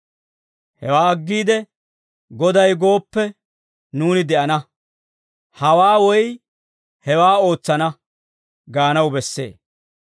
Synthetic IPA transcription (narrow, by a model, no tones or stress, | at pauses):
hɛwaːɐɡːiːd̪ɛ | ɡɔd̪ɐjɡo̞ːpːɛ | nuːnɪd̪ɛʔɐnɐ | hɐwaːwɔj | hɛwaːo̞ːt͡sːɐnɐ | ɡaːnɐwbɛsːḛː